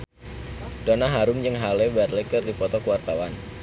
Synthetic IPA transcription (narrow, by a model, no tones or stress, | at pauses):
donaɦaɾʊmd͡ʒɨŋɦalɛbɛrlekɨrdipɔt̪ɔkəwart̪awan